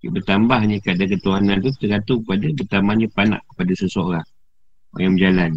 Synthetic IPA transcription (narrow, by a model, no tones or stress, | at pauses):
bərt̪ambahɲəkaʔdakət̪uanant̪ut̪əɾat̪ukəpadabərt̪amaɲəpana̰ʔkə̥padasəsooɾaŋ | o̰jaŋmd͡ʒalan